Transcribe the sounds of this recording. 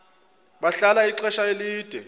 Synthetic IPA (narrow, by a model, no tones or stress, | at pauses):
ɓaɬalaiǁɛʃaeliːd̥ʱɛ